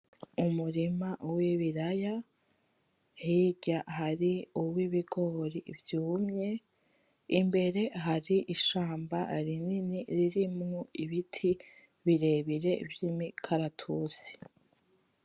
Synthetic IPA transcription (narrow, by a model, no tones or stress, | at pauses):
umuɾimawiβiɾaja | hiɟaɦaɾiuwiβiɡo̞ɾivjuːmɲe̞ | imbe̞ɾe̞ɦaɾiʔiʃaːmbaɾininiɾiɾimŋoiβitʰi | βiɾe̞ːβiɾe̞vjimikʰaɾatʰusi̥